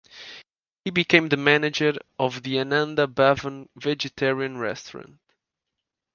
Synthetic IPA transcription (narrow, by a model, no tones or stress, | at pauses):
hibikʰẽɪ̃mðəmænɪd͡ʒəɹɔvðianãnd̪əbavə̃nvɛd͡ʒɨtʰɛɹiə̃nɹɛ̰stəɹə̰̃nt